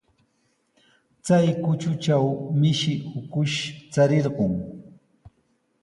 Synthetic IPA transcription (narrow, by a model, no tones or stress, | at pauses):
t͡sajkʊt͡ʃʊt͡ʃawmɪʃɪhʊkʊʃt͡saɾeɾɢoŋ